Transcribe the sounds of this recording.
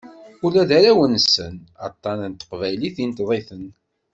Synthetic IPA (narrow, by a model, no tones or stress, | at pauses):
ʊlæðæɾæwənsənɑt̪ˤːɑnənt̪ːə̥qvæjliθint̪ðˤeθən